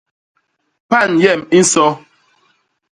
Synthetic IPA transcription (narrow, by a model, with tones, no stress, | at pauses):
pa˦˨njɛ˦˨mi˦n̩˦sɔ˦